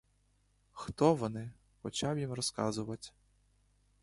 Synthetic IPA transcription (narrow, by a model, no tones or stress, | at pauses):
xt̪ɔʋɔnɪ | xɔt͡ɕabjimrɔska̰zʊʋɐtʲ